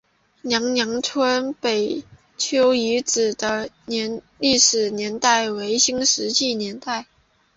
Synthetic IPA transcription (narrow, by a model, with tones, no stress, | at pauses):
njɑ˧˥ŋnjɑ˧˥ŋʈ͡ʂʰwə˥npe˨˩ɪ | t͡ɕʰjo˥ʊi˧˥t͡sɹ̩˨˩d̪ə˦nɛ˧˥n | li˥˩ʂɻ̩˨˩njɛ˧˥nt̪a˥˩ɪwe˧˥ɪɕi˥ŋʂɻ̩˧˥t͡ɕi˥˩njɛ˧˥nt̪a˥˩ɪ